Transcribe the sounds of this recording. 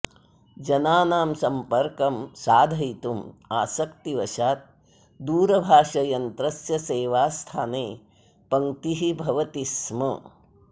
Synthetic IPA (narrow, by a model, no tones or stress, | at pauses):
d͡ʒɐnaːnaːmsɐmpɐɾkɐmsaːd̪ʱɐjt̪umaːsɐkt̪iʋɐʃaːt̪̚ | d̪uːɾɐbʱaːʂɐjɐnt̪ɾɐsjɐseːʋaːst̪ʰaːneː | pɐŋt̪iɦibʱɐʋɐt̪ismɐ̰